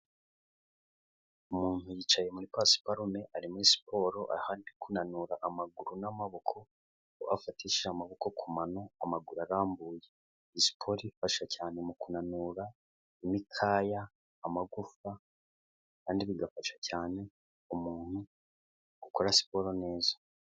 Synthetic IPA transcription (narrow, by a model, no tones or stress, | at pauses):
umuːnhujiːt͡ʃaje̞muɾipasi̥paɾume̞ʔaɾimuɾisi̥pʰo̞ːɾo̞ʔa̰haːndikunanuɾaʔamaɡuɾunamaβokʰo̞ | oʔafatiʃamaβoko̞kʰumano̞amaɡuɾaɾaːmbuːje | isi̥pʰo̞ɾifaʃacaːne̞mukunanuɾa | imikʰaːjaː | maɡufa | kaːndiβiɡafaʃḁcaːne̞ | umuːn̥hu | ɡukoɾasi̥po̞ɾone̞ːzḁ